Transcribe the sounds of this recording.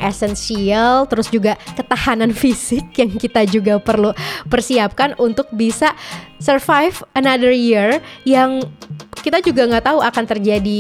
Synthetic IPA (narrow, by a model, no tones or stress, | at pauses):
esɛnsialt̪əɾʊsd͡ʒuɡakət̪ahananfisɪk̚jaŋkit̪ad͡ʒuɡapərlupərsiap̚kanunt̪ʊk̚bisasərfajfənadərjirjaŋkit̪ad͡ʒuɡaŋɡaʔt̪auakant̪ərd͡ʒadi